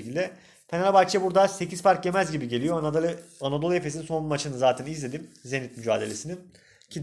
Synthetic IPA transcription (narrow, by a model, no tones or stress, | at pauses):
cilʲd̪ɛ | fʰenaɾabak̚t͡ʃʰɛbuɾd̪ase̞ciz̥faɾcje̞mæzɟibiɟe̞lijoaanad̪olˠe̞fes̬ininso̞mat͡ʃʰɯnɯzaːt̪ʰɛnizlʲe̞d̪imze̞nit̪myd͡ʒa̰ːd̪e̞lʲe̞sinin | cʰi